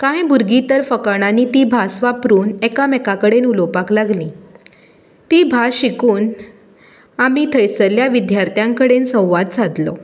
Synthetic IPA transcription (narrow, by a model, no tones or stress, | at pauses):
kãjbuɾɡit̪əɾfəkaɽ̃anit̪iːbʱasʋapɾuːnɛkamɛkakəɽenulopaklaɡli | t̪iːbʱaɕikuːn | amit̪ʰəjsəljaʋid̪jaɾt̪ʰjaŋkəɽensə̃w̃ʋat̪̚t͡sʰad̪lɔ̰